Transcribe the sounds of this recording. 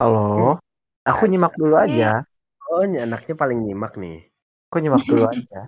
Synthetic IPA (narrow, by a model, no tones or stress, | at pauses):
halo | akuɲimak̚duluad͡ʒa | oɲaːnak̚ɲapalɪŋɲimak̚nɪ̰ | akuɲimak̚duluad͡ʒa